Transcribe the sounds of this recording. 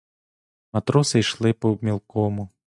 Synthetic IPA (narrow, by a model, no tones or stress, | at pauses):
mɐt̪ɾɔsɪjʃlˠɪpɔmʲilˠkɔmʊ